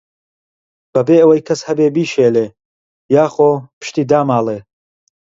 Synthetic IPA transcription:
b̥ɐbeːɐwɐjkʰɐshɐbeːbiːʃeːleː | jaːxoːpʰɨ̥ʃt̪iːd̪aːmaːlˠeː

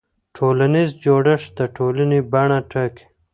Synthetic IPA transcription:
ʈʰolanizd͡ʒoɖəʂd̪əʈʰolanebaɳaʈʰək

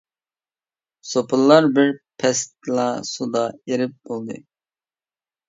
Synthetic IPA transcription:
sopʰɨlˠːɑɾbɪɾpʰɛst̪lɑsud̪ɑeɾɪp̚b̥olˠd̪ɨ

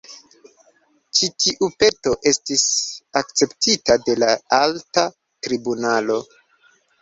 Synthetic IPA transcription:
t͡ʃitiʔupe̞to̞ʔe̞stisak̚t͡se̞ptitade̞laalta | tɾibunalo̞

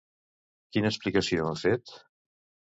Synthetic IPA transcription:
kinəːsplikəsioafet̪

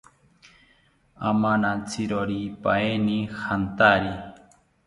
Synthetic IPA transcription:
amanat͡sʰiɾoɾipaenihant̪aɾi

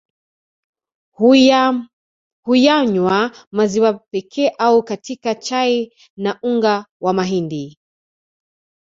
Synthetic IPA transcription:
hujaɲwamaziwapɛkʰɛːʔaukatikat͡ʃai | naʔuŋɡawamaɦindi

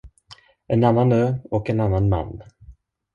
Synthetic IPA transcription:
ʔɛnanːanøːɔkɛnanːanma̰nː

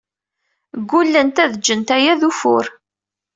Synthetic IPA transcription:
ɡːulːənt̪æðəd͡ʒːənt̪æjæðufʊ̰ɾ

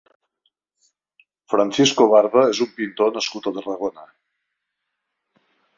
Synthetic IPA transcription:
fɾənsiskoβaɾðəezumpint̪onəskut̪ət̪ərəɣonə

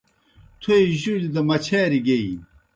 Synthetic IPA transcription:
t̪ʰuiʑuld̪ɐmɐt͡ɕʰeːɾiɡei

